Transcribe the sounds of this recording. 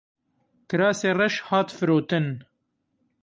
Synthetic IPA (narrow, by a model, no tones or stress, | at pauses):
kɨɾɑːseːrɛʃhɑːt̪fɨɾoːt̪ɨn